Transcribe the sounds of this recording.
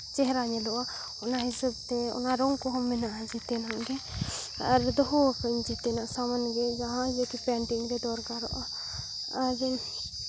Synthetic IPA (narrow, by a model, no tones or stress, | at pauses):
t͡ʃɛɦɾaɲɛlɔʔa | ɔnaɦisabt̪ɛɔ̰naɾɔŋkɔɦɔmːɛnaʔd͡ʒit̪ɛnaʔɡɛ | aɾd̪ɔɦɔkəɲd͡ʒit̪ɛnaʔsamanɡɛd͡ʒaɦãd͡ʒekipɛɳʈiŋɾɛd̪ɔɾkaɾɔ̰ʔa | aɾ